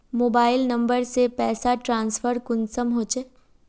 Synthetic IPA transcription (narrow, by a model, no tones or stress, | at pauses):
moːbaːɪlnɐ̃mbəɾsepɛːsaʈɾãːnsfəɾkʊnsəmɦoːt͡ʃe